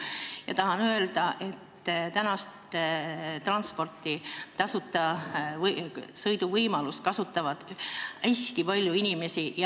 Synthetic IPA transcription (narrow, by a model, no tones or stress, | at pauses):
jɑ̰t̪ɑɦɑnøe̞ld̪̥ɑʔe̞t̪ː | t̪ænɑst̪ | t̪rɑnspo̞rt̪ːˑit̪ɑsut̪ːˑɑvsɤjd̪uvɤjmɑluskɑsut̪ːˑɑvɑd̪̥æst̪ipɑlʲjuinime̞sijɑ